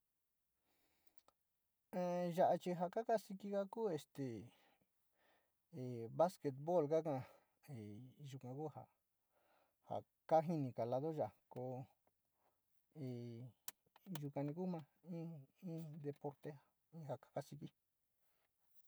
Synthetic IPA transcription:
e˧ʒa˧ʔa˧t͡ʃi˧ɦa˧ka˦ka˦si˧ki˧ka˦kuː˦˨e˧st̪e˨ | e˨βa˦ske˧t̪̚βo˦˨lka˦kã˧ | e˨ʒu˧kã˧ku˦ha̰˨ | ha̰˨ | ka˦ɦi˧nĩ˧ka˨la˧ðo˦ʒa˨ko˧ | e˨ | ʒu˧kã˧nĩ˧ku˦mã˧ĩ˦ĩ˦d̪e˧po˧ɾt̪e˦ | ĩ˦ha˧˨kḁ˦ka˧si˧ki˦

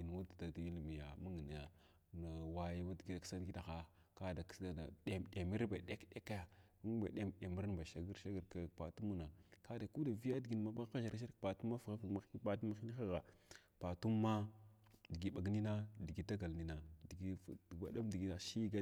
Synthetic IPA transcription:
i˨n˨wu˦tda˨di˦lmi˨ja̰˨ma˦ŋə˨na˨ja˨ | na˨wa˦ja˦ma˦dɡi˦da˨ksa˦n˨ɡi˦da˨xa˦ | ka˦da˨ksa˦a̰˨de˨mɗe˨mi˦ɾba˨ɗe˦kɗe˦ka˦a˨ | u˦ŋ˦ba̰˨ɗe˦mɗe˨mi˦ɾa˦nba˨ʃa˨ɡi˦ɾʃa˦ɡə˨ɾka˨pa˨tu˦mu˦na˨ka˦da˨ku˦da˨vi˦ja˦di˨ɡi˨n˨ma˦ba˦a˦ʃa˨ɾa˦ʃa˦ɾpa˨tu˦mːa˦fɣa˦fi˨ɡma˦i˦pa˨tu˦ma˦xi˦ni˦xa˦ɣa˨ | pa˨tu˦mː˦a˦di˨ɡi˨ɓa˨ɡni˦na˦di˨ɡi˦da˦ɡa˨lni˦na˨di˨ɡi˦˨ba̰˨da˦mdi˨ɡi˦na˨ʃi˦ɡa˦

